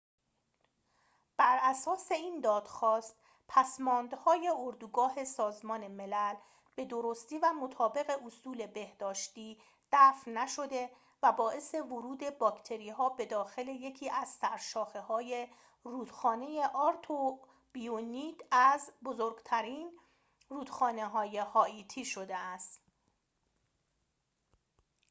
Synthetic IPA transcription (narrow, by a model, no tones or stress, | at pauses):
b̥æɾæsɒːse̞iːnd̪ɒːd̪̥xɒːst̪ | pʰæsmɒːnd̪hɒːje̞oɾd̪uɡɒːɦe̞sɒːzmɒːneme̞læl | b̥e̞d̪o̞ɾo̞st̪iːvæmot̪ʰɒːbe̞ɣe̞ʔosuːle̞be̞hd̪̥ɒːʃt̪iː | d̪̥æːfnnːæʃo̞d̪e̞ | væbɒːʔe̞se̞voɾuːd̪e̞bɒːcʰt̪ʰe̞ɾiːɦɒːbe̞d̪ɒːxe̞le̞je̞cʰiːʔæz̥sæɾʃɒːxehɒːje̞ | ruːd̪̥xɒːne̞je̞ʔɒːɾt̪ʰo | b̥ijoniːt̪æzbozoɾɡt̪ʰæɾiːn | ruːd̪̥xɒːneɦɒːjehɒːiːt̪ʰiːʃo̞d̪eæst̪